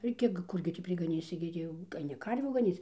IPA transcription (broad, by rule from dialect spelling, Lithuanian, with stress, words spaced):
ɪr ˈkʲiɛk ˈkʊrʲɡʲɪ tʲiː pʲrʲɪɡɐˈnʲiːsʲɪ ɡʲɪ ˈtʲiː jɛʊ ɐɪˈnʲɪ ˈkɐrʲʋʲuː ɡɐˈnʲiːt͡s